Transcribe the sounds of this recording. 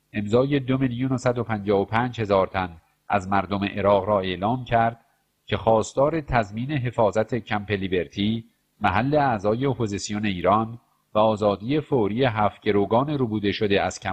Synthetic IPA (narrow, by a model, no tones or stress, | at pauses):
ʔe̞mzɒːje̞d̪omeljonosæd̪o̞pʰænd͡ʒɒːvopʰæːnd͡ʒhe̞zɒːɾt̪ʰæn | ʔæzmæɾd̪o̞me̞ʔeɾɒːɣɾɒːe̞ʔlɒːmcʰæɾd̪̥̚ | cʰe̞xɒːst̪ɒːɾe̞t̪ʰæzmiːne̞ɦe̞fɒːzæt̪ʰecʰæmpe̞libe̞ɾt̪ʰiː | mæɦælːe̞æzɒːje̞opʰozisijone̞iːɾɒːn | væɒːzɒːd̪ije̞foɾijeɦæːft̪ɟ̥eɾoːɡɒːneɾubuːd̪e̞ʃod̪eæz̥cʰæ